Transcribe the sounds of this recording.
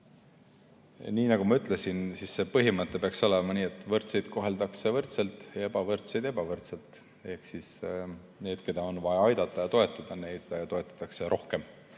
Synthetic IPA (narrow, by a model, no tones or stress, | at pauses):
niːnɑɡ̥umɑyt̪ˑle̞sinsisːe̞pɤɦimɨt̪ːˑe̞peɑkso̞le̞mɑniːet̪ːˑvɤrt̪sejd̪̥ko̞ɦe̞ld̪ɑkse̞vɤrt̪selt̪ːˑjɑe̞bɑvɤrt̪sejd̪̥e̞bɑvɤrt̪se̞lt̪ˑ | e̞hksis | ne̞ːd̪̥ke̞d̪̥ɑo̞nvɑjɑɑjd̪̥ɑt̪ːˑɑjɑt̪o̞e̞t̪ːˑɑd̪̥ɑne̞jd̪̥jɑt̪o̞e̞t̪ːˑɑ̥t̪ːˑɑkse̞ɾʔo̞hke̞m